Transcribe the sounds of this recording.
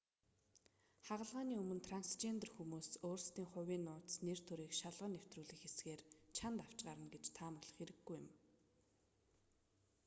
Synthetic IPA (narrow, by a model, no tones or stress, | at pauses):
χaʁə̆ɮʁaːniːɵmɵ̆nt̪ʰranst͡ɕent̪rxumuːsoːrst̪iːŋχʊwiːnːʊːt̪sner̥t̪ʰɵɾiːkʃaɮʁə̆nːew̥t̪ruːɮĭxesɡeːrt͡ɕʰant̪aw̥t͡ɕɢaːɾə̆nɡet͡ɕt̪ʰaːməʊɣɮə̥̆χxeɾɘ̆ɡɡːujɪ̆m